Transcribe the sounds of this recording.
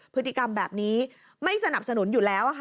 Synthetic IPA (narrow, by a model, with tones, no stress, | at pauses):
pʰɯ˦˥t̪ʰːi˨˩ka˧mbɛː˨˩p̚niː˦˥ | ma˥˩jsa˧na˨˩p̚sa˧nu˨˩˦njuː˨˩lɛː˦˥wʔa˨˩